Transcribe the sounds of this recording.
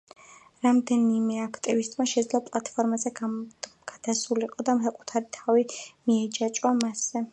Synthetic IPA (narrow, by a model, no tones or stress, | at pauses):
ɾamd̪ɛnimɛakʰt̪ʼivist̪ʼmaʃɛd̪zlˠɔpʼlˠat̪ʰʼpʰɔɾmazɛɡɡ̥ad̪̥asuliqʼɔd̪amχaqʼut̪ʰaɾit̪ʰavimiɛd͡ʒat͡ʃʼamasɛ